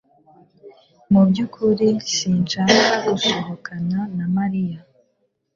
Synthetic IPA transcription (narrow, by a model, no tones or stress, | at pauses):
mubɟukʰuɾisiːnt͡ʃakaɡusoɦokananamaɾija